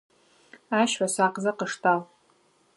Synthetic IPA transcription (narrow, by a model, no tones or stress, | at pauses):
aʃħʷasaqʼzaqʼəʂtʰʼal